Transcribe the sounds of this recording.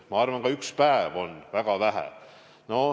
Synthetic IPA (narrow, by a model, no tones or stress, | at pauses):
mɑɑrʋɑŋɡɑykspæːvonvæɡ̥ɑʋæɦæ̰ | no